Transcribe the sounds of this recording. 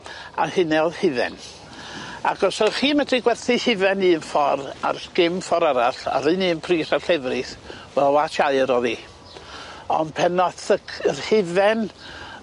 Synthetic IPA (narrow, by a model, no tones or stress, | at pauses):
ahɪnɛðhɪvɛ̰n | aɡɔsəχiːmədriɡwɛrθɨhɪvɛniənfɔra̰rɡ̥ɪmfɔɾaɾaɬa̰ɾɨniənpʰriːrarɬɛvrɨθwɛlˠatʰaɨɾɔði | ɔ̰npʰɛnɔθəkərhɪvɛn